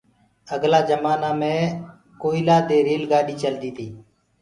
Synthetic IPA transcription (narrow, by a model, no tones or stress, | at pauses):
əɡlaːd͡ʒəmaːnaːmẽː | koːɪlaːd̪eːɾeːlɡaːɗiːt͡ʃəld̪iːt̪ʰiː